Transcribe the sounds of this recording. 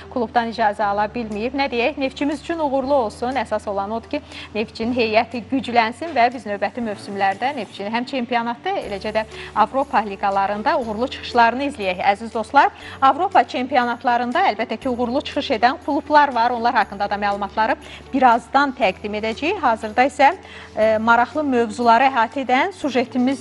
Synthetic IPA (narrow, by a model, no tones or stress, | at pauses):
kʰulˠubd̪ɑnid͡ʒɑːzæɑlˠɑbilmijibnæd̪e̞jæçne̞ft̪t͡ʃʰimizyt͡ʃʰynuɣuɾlˠuo̞lˠsunæsɑso̞lˠɑno̞d̪u̥cʰine̞ft͡ʃʰininɦe̞jæt̪ʰiɟyd͡ʒlænsinvæbiznø̞vbæt̪ʰimø̞vsymlæɾd̪æne̞ft͡ʃʰiniɦæmt͡ʃʰe̞mpijonɑt̪ʰːɯḛlæd͡ʒæd̪æɑvɾo̞pʰɑlʲiɡɑlˠɑɾɯnd̪ɑuɣuɾlˠut͡ʃʰɯ̥χɯ̥ʃlˠɑɾɯnɯizlijæçæzizd̪o̞st̪lˠɑɾɑvɾo̞pʰɑt͡ʃʰe̞mpionɑt̪ʰlˠɑɾɯnd̪ɑælbæt̪ʰːæcʰiuɣuɾlˠut͡ʃʰɯ̥χɯʃe̞d̪ænkʰulˠublˠɑɾvɑɾo̞nlˠɑɾhɑkːɯnd̪ɑd̪ɑmæːlˠumɑt̪ʰlˠɑɾɯb̥iɾɑzd̪ɑnt̪ʰæɡd̪ime̞d̪æd͡ʒæjiçɦɑːzɯɾd̪ɑisæ | mɑɾɑχlˠɯmø̞vzulˠɑɾɯæɦɑːt̪ʰie̞d̪ænsuʒe̞t̪ʰimiz